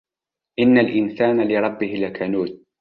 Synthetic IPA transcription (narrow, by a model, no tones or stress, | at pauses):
ʔɪnːalʔɪnsaːnalɪɾˤɑbːɪhɪlakʰanuːt̪̚